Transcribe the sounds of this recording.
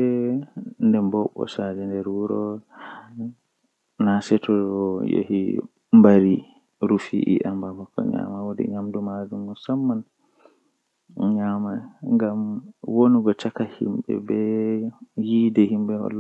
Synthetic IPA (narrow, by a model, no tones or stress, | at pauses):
ɛ | ndɛmbɔɓːɔ̰sad͡ʒɛndɛɾwuɾɔ | nasɛtɔɔjo̰hi | mbaɾi | ɾufiʔḭʔambamakːɔ̰ɲa̰mawodɛ̰ɲamdumad͡ʒumːɔsamːan | ɲamaŋɡamwoniɡɔt͡ʃakahḭmɓɛ̰bɛ | jiːdɛhimɓɛhɔ̰l